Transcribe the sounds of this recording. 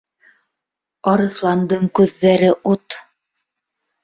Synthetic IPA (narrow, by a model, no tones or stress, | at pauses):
ɑɾɤ̆θlˠɑnd̪ɤɴkʉðːæɾɘʔut̪